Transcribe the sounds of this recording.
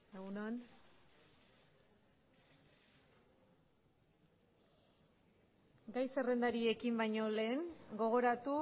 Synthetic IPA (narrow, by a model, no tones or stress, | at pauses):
eɣunoan | ɡajse̞re̞nd̪aɾie̞kimbajɲo̞le̞ːŋɡo̞ɣ̞o̞ɾat̪u